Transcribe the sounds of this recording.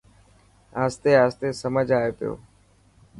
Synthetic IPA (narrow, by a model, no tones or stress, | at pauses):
aːst̪eːaːst̪eːsəməd͡ʒʱaːeːpɪjo̰ː